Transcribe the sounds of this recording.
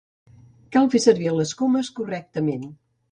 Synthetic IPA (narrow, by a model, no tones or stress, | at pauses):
kalˠfesəɾβiələskoməskurɛk̚t̪əmen